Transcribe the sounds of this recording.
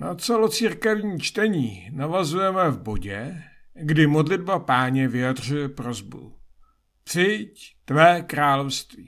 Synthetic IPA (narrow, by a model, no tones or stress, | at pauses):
nat͡sɛlo̞t͡siːɾkɛvɲiːt͡ʃt̪ɛɲiːnavazujɛmɛvbo̞ɟɛɡdɪmo̞dlɪd̚bapaːɲɛvɪjadr̝ujɛpɾo̞zbṵ | t͡sɪct̪vɛːkɾaːlo̞fst̪viː